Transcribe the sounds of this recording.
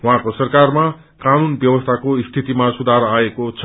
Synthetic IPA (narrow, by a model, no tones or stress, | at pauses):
wɦãkosʌrkarma | kanunbjʌbʌst̪ʰakoist̪ʰit̪imasud̪ʱaɾaekot͡sʰʌ